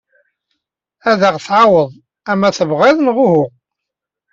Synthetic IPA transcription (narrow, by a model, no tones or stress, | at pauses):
æðəʁθʕawəðˤ | æmæθəvʁeðˤnʁʊɦʊʁ